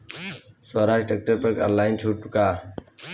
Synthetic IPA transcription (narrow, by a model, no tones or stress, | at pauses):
soːɾaːʃʈek̚ʈəɾpəɾkə̰laːɪnt͡ʃʰuːʈ̚ʈʊkaː